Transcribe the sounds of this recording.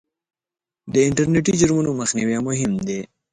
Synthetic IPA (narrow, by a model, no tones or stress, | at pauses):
d̪əɪɳʈɐɾneʈid͡ʒuɾmunoməxniwamʊɦɪmd̪e